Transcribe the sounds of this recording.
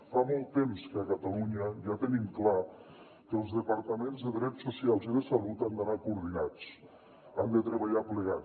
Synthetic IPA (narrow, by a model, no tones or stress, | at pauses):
famɔlˠt̪ːemskəəkət̪əluɲəʒat̪ənimkla | kəːlˠzðəpəɾt̪əmenzðəðɾɛt͡ssːusialˠziðəsəlut̪and̪anakuːɾðinat͡s | and̪ət̪ɾəβəʎapləɣa